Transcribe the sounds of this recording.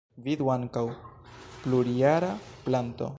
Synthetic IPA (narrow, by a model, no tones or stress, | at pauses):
vid̪waŋkawpluɾiaɾaplanto̞̰